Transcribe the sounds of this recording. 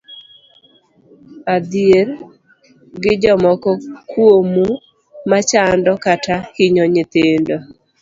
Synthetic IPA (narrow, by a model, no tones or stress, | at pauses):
ad̪ɪeɾ | ɡɪd͡ʒɔmɔkɔkwomu | mat͡ʃandɔkatakiɲoɲɪt̪ɪndo